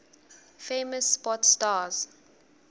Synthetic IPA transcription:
feːməsːpɔtstaːz̥

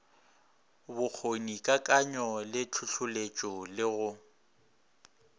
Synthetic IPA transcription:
bʊk͡xʰonikʼakʼaɲɔlɪt͡ɬʰʊɬʰʊlet͡ʃʼɔlɪɣʊ

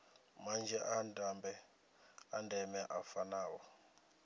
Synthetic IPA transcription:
mand͡ʒʱɛʔandambɛ | andʱɛmɛʔafanaːwɔ

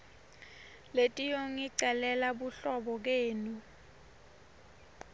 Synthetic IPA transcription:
letʼijoŋiǀɛlɛlaɓuɬɔɓɔk̬eːnu

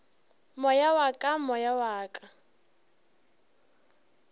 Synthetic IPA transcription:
mɔjawakʼamɔjawaːkʼa

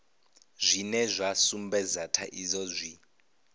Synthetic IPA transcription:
zʷinɛzʷasumbɛzatʰaʔizɔzʷi

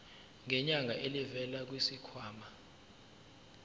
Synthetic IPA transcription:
ŋɛɲaŋʱaʔelivɛlak̬wisikʰwaːma

